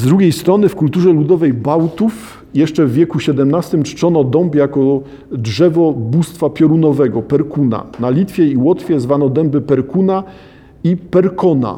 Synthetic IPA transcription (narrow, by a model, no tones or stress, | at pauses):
zd̪ɾuɡʲejst̪ɾɔnɘfkult̪uʐɛlud̪ɔvɛjbawt̪uf | jɛʂt͡ʂɛvːʲjɛkuɕɛd̪ɛmnast̪ɘmt͡ʂt͡ʂɔnɔd̪ɔmpjakɔ | dʐɛvɔbust̪fapʲjɔɾunɔvɛɡɔpɛɾkuna̰nalʲit̪fʲjɛiwɔt̪fʲjɛzvanɔd̪ɛmbɘpɛɾkuna | ipɛɾkɔna̰